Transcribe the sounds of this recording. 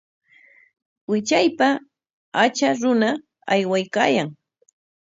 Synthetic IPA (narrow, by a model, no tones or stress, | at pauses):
wɪt͡ʃajpa | at͡ʃaɾʊna | ajwajkaːjaŋ